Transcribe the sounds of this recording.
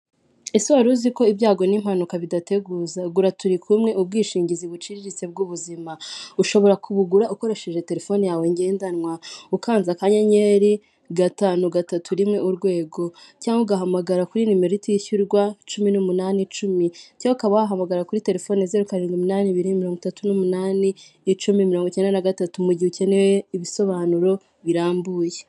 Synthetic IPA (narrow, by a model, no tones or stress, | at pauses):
esiβaɾuziko̞ibjaːɡo̞nimhanukaβidate̞ɡuːzaɡuɾatuɾikʰumŋe̞ub̚ɡiːʃiːɲɟiziβut͡ʃiɾiɾit͡se̞b̚ɡuːβuzimauʃo̞βo̞ɾakʰuβuɡuɾaʔuko̞ɾe̞ʃe̞ʒe̞te̞ɾe̞fo̞nijawe̞ɲɡe̞ːndanwaukaːnzakaɲaɲeɾi | ɡataːnuɡatatʰuɾimŋe̞ʔuɾɡwe̞ːɡo̞caːŋɡoɡaɦamaɡaɾakuɾinimeɾitijiçuɾɡwat͡ʃuminumunaːnit͡ʃumicaukaβawaɦamaɡaɾakuɾite̞ɾe̞fo̞ːnezeɾukaɾiːŋɡumunaːniβiɾimiɾoːŋɡutatunumunaːni | t͡ʃumimiɾo̞ːŋɡoce̞ːndanaɡatatumuɟihuce̞neweiβiso̞βaːnuɾo̞ | βiɾaːmbuːje